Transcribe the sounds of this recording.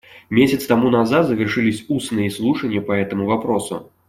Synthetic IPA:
mʲesʲɐt̪st̪amunazat̪zɐvʲɛrʂɨlʲisʲusnɨjɛslˠuʂɐnʲːɐpɐɛt̪ɐmuvapɾɔsṵ

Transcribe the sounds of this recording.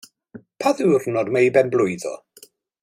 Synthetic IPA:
pʰaðuwrnɔdmajbɛnblˠʊɨðɔ̰

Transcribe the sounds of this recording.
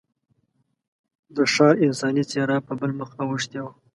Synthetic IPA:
d̪əʂɑɾɪnsɑnit͡seɾɑpəbəlməxawəʂt̪jaw

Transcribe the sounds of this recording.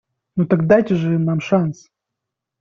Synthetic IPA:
not̪akd̪ajtʲɪʐɨnːamʂans

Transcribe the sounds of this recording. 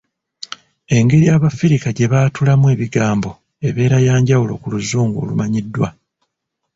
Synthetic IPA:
e̞ŋɡe̞ɾijaːβafiɾikaɟe̞βaːtulamwe̞ːβiɡaːmbo̞ | e̞βe̞ːɾajaːɲɟawulo̞̰kuluzːuːŋɡo̰lṵmaɲidːwa

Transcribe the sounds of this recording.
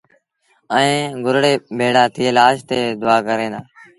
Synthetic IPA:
əẽːɡʊɾɽeːbʱeːɽaːt̪ʰɪelaːʃt̪eːd̪ʊaːkəɾẽːd̪aː

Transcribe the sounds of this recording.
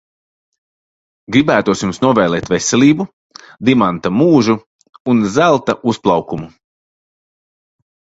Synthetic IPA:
ɡɾibæːt̪uɔsjumsnuɔvɛːlˠɛːt̪vesɛlʲiːbu | d̪imant̪amuːʒu | unzælˠt̪aʔusplˠɑwkumu

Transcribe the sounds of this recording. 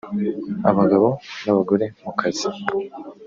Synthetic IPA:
aβaɡaβo̞naβaɡo̞ɾe̞mukʰazi

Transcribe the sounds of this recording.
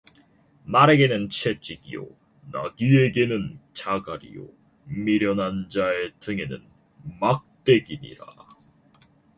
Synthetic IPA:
maɾe̞ɡe̞nɯnt͡ɕʰe̞t͡ɕ͈iɡijo̰ | na̰ɡie̞ɡe̞nɯnt͡ɕaɡaɾḭjo̰ | miɾjʌnand͡ʑae̞tʰɯŋe̞nɯ̰n | mak̚t͈e̞ɡiɲḭɾa̰

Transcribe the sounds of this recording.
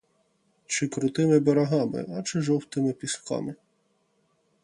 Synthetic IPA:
t͡ʃɪkɾʊt̪ɪmɪbeɾɐɦɑmɪ̰ʔɐt͡ʃɪʒɔwt̪ɪmɪpʲiskɑ̰mɪ

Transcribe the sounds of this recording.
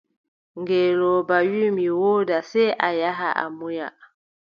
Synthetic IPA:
ŋɡɛːlɔbawimiwoːdasɛʔajaɦa̰ʔa̰muja̰

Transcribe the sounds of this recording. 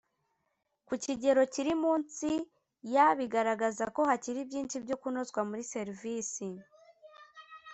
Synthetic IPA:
kuciɟe̞ɾo̞ciɾimuːnsi | jaβiɡaɾaɡazako̞haciɾibɟiːnʃibɟo̞kuno̞zkwamuɾise̞ɾiviːsi

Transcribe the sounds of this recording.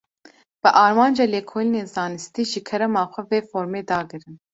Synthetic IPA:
b̥ɨʔɑːɾmɑːnd͡ʒɑːleːkʰoːlineːzɑːnɨst̪iːʒɨkʰɛɾɛmɑːxʷɛveːfoːɾmeːd̪ɑːɡɨɾɨn

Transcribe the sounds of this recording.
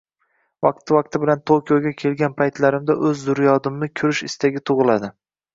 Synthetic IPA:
vɑq̚t̪ʰɪvɑq̚t̪ʰɪbɪlant̪ʰokʲijoɡʲakʲʰe̞lɡʲanpʰajt̪laɾɪmd̪aʔɵzːʊɾjɒd̪ɪmnɪkʲʰʊɾɪʃɪst̪aɡʲɪt̪ʰʊʁɨlad̪ɪ

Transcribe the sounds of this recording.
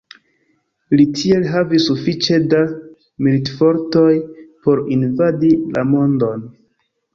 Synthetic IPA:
litʰie̞lɦavisːufit͡ʃe̞da | militfo̞ɾto̞jpo̞ɾinvadila̰mo̞ndo̞n

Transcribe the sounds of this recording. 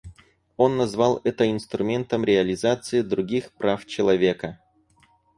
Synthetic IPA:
o̞nːɐzvalˠɛt̪əɪnst̪ɾʊmʲe̞nt̪əmɾʲɪɐlʲɪzat̪sɨɪd̪ɾʊɡʲixpɾʔaft͡ɕɪlˠɐvʲe̞kə

